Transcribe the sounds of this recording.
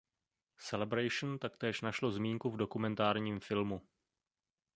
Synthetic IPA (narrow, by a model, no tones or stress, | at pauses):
sɛlɛbɾajʃn̩t̪akt̪ɛːʃnaʃlo̞zmiːŋkuvdo̞kumɛnt̪aːɾɲiːmfɪlmu